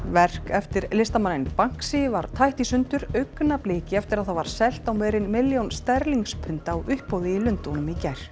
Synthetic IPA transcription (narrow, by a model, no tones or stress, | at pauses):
vɛr̥kɛft̪ɪɾlɪst̪amanːɪnpaŋ̥ksɪvaɾ̥t̪ʰajht̪isʏnt̪ʏɾœɥknapleːcɪɛft̪ɪɾaðθavaɾ̥sɛl̥t̪awmvɛːɾɪnmɪljownst̪ɛɾliŋspʰʏn̥t̪aːwʔʏhppowðɪɪlʏnt̪onʏmicɛjɾ̥